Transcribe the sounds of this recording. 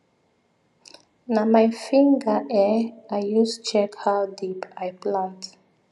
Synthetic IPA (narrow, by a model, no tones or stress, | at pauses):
namajfĩŋɡəʔɛajjustu̥t͡ʃɛkhawdipajplãnt